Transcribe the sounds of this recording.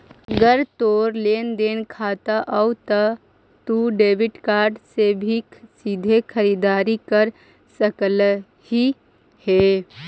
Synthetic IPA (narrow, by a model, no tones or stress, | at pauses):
ɡəɾt̪oːɾleːnd̪eːnkʰaːt̪aʔət̪ə | t̪uɖeːʋɪʈkaːɾɖsebʱisid̪ʱekʰəɾid̪aːɾikəɾ | səkəl | hi | heː